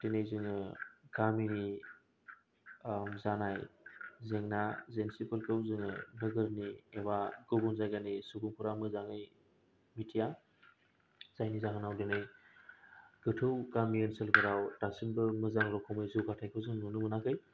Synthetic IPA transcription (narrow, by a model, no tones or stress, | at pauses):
denɯjzɯŋɯɡamini | mzanajzeŋnazensipɯlkɯwzɯŋɯnɯɡɯɾniewaɡɯbunzajɡanisubuŋpʰuɾamɯzaŋɯj | mitʰija | z̥ajnizaŋɯnawdenɯj | ɡ̥ɯtʰɯwɡamijenselɡɯɾawtasinbɯmɯzaŋɾɔkʰɔwmɯjzɯwɡatʰajkʰɯwzɯŋnunɯmɯnakʰɯj